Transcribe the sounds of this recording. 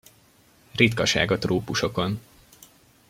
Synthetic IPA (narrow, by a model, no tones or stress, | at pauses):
rit̪kɒʃa̰ːɡɒt̪roːpuʃo̞ko̞n